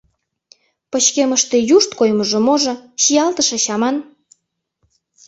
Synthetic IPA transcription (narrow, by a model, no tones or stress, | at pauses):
pət͡ɕkeməʃt̪ejuʃt̪kojməʒŏmoʒɤ̆ɕijɑlt̪əʃĕɕɑmɑn